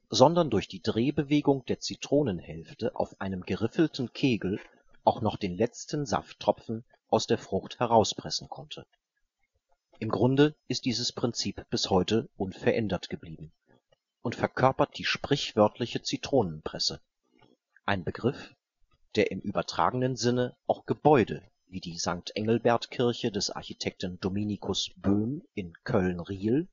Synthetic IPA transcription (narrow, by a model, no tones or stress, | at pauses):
zɔndɐndʊɐçd̥iːdʁeːbəveːɡʊŋd̥eːɐt͡sitʁ̥oːnənhɛlftəʔa̰ʊfʔaɪnəmɡəʁɪfl̩tn̩kʰeːɡl̩ | ʔaʊxnɔχd̥eːnlɛt͡stn̩za̰ftʁ̥ɔpp͡fn̩ | ʔaʊsd̥eːɐfʁ̥ʊxthɛʁaʊspʁ̥ɛsn̩kʰɔntʰə | ʔɪmɡʁʊndəʔɪst̚d̥iːzəspʁ̥ɪnt͡siːpb̥ɪshɔʏtəʔʊnfɛɐʔɛndɐtɡ̥əbliːbm̩ | ʔʊntfɛɐkʰœɐpɐt̚d̥iːʃpʁ̥ɪçv̥œɐtʰlɪçət͡sitʁ̥oːnənpʁ̥ɛsə | ʔaɪnbəɡʁɪf | d̥eːɐʔɪmʔyːbɐtʁ̥a̰ːɡŋ̩ənzɪnəʔaʊxɡ̥əbɔʏdə̰ | viːdiːzaŋk̚tʰʔɛŋl̩bɛɐtkʰɪɐçədɛsʔa̰ɐçitʰɛk̚tn̩dominikʰʊsb̥øːmɪnkʰœlnʁiːl